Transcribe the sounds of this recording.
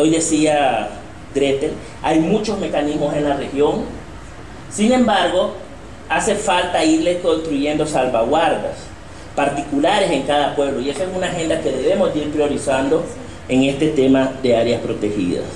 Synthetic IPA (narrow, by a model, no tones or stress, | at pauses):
o̞jðe̞sia | ɡɾet̪el | ajmũt͡ʃo̞zme̞kanizmo̞se̞nlare̞xjo̞ŋ | sinẽ̞mbaɾɣo̞ | ase̞falt̪aiɾleko̞nst̪ɾuʝe̞nd̪o̞salβaɣwaɾða̰s | paɾt̪ikulaɾe̞se̞ŋkaðapwe̞βloie̞soesunaxẽ̞nd̪ake̞ðe̞βe̞mo̞zd̪iɾpɾjo̞ɾisand̪o̞ | e̞ŋe̞st̪e̞t̪e̞maðe̞aɾjaspɾo̞t̪e̞xḭða̰s